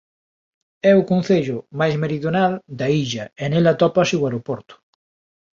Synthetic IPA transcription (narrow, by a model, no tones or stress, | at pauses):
ɛʊkon̟θeʎʊmajzmeɾiðjonald̪aiʎɐenelat̪ɔpɐseuwaɾopɔɾt̪ʊ̥